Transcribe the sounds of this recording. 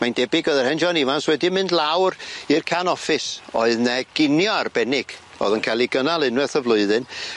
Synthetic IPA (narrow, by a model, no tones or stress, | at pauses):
mandɛbɪɡəðɛrhɛnd͡ʒɔnivanswɛdimɨndlˠawrirkʰanɔfɪsɔ̰ɨðnɛɡ̥ɪnjɔarbɛnɪɡ̥ | o̰ðənkʰalˠiɡənalˠɪnwɛθəvlˠʊɨðɨn